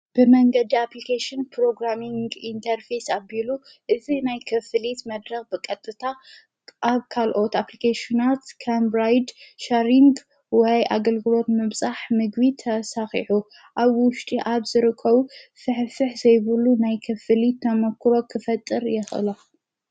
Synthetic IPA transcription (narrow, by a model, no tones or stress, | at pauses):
b̥ɨmɐŋɡɐd̪iaplikʰeʃɪnpɾo̞ɡɾamiŋɡint̪ʰɐɾfesabilu | ʔɨzinajkʰɐfɨlit̪mɐd̪ɾɐxbɨkʼɐt̪ʼːɨt̪ʰa | ʔaβkʰalʔo̞t̪aplikʰeʃinat̪kʰambɾajd̪ʃaɾiŋɡ | wɔjʔa̰ɡɐlɡɨlo̞t̪mɨβsʼaħmɨɡβit̪ʰɐsaxḭħu | ʔaβwʊʃt̪ʼiʔaβzɨɾɨkʰːɐβufɨħfɨħzɐjβɨlːunajkʰɐfɨlit̪ʰːɐmɐkʰɾo̞kʰɨfɐt̪ʼːɨɾjɛxʔɨ̰la